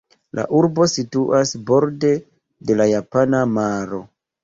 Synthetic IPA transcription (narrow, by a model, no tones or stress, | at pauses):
lʔa̰ʔuɾbo̞situʔasbo̞ɾde̞ | de̞lajapanamaɾo̞